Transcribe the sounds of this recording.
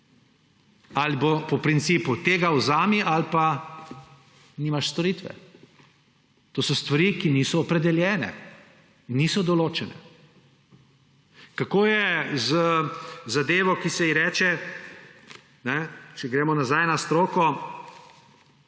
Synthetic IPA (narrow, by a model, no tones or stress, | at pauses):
alibopɔpɾinsiːput̪eːɡawzaːmiʔalpa | niːmaʃst̪ɔɾiːt̪ʋɛ̰ | t̪oːsɔst̪ʋaɾikiniːsɔːpɾɛd̪ɛljɛːnɛ̰ | nːiːsɔd̪ɔloːt͡ʃɛnɛ̰ | kakoːjɛzəzad̪eːʋɔkisɛiɾɛːt͡ʃɛ | nɛt͡ʃɛɡɾeːmɔnazajnast̪ɾoːkɔ